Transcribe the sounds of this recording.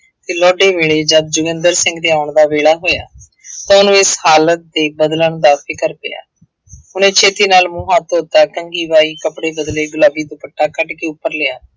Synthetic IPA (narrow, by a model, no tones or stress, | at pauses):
t̪eːlɔːɖeːʋeːɭeːd͡ʒəd̪̚d͡ʒʊɡənd̪əɾsɪ̃ŋɡd̪eːaːʊɳd̪aːʋeːɽaːɦoːja̰ː | t̪ãːʊnũːɪshaːlət̪̚d̪eːbəd̪ləɳd̪aːpʰɪkəɾpɪ̰ja̰ː | ʊnẽːt͡ʃʰeːt̪iːnaːlmũːɦat̪oːt̪aːkəŋɡiːʋaːiːkəpɽeːbəd̪leːɡʊlaːbiːd̪ʊpəʈʰːaːkəʈkeːʊpːəɾleːaː